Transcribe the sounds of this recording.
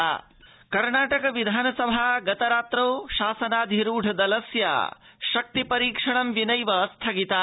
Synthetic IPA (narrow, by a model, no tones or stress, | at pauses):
a | kɐɾɳaːʈɐkɐʋid̪ʱaːnɐsɐbʱaɡɐt̪ɐɾaːt̪ɾoːʃaːsɐnaːd̪ʱiɾuːɖʱɐd̪ɐlɐsja̰ː | ʃɐk̚t̪ipɐɾiːkʂɐɳɐmʋinɐjʋɐst̪ʰɐɡit̪aː